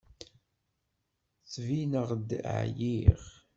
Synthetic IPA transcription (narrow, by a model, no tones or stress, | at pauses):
θvinəʁd̪̰ʕjiʁ